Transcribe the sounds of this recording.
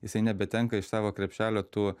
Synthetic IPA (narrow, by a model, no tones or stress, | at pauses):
jɪsɐɪnʲɛbʲɛt̪ʲɛŋkɐɪʃsɑːʋoːkɾʲɛpʲʃʲæːlʲoːt̪uː